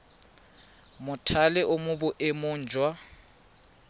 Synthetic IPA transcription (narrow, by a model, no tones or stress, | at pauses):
mʊtʰalɛʔʊmʊbʊʔɪmʊːn̩d͡ʒʱwa